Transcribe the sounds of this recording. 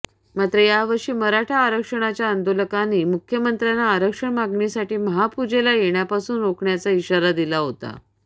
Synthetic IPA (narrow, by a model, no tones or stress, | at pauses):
mat̪ɾəjaʋəɾʂiːməɾaʈʰaːɾəkʂəɳ̃at͡ɕjaənd̪oləkanːiːmukʰjəmənt̪ɾjanːaːɾəkʂəɳmaɡɳisaʈiːməɦapud͡ʑelajeɳjapasuːnɾokɳjat͡saiɕaɾad̪ilaɦot̪a̰